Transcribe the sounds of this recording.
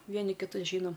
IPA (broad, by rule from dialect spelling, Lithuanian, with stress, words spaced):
ˈʋʲiɛnʲɪ kʲɪˈtʊs ˈʒʲiːnoːm